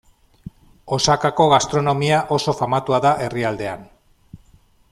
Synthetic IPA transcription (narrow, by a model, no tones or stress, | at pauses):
o̞sakako̞ɣast̪ɾo̞no̞miaʔo̞so̞famat̪uaðaʔe̞riald̪e̞a̰n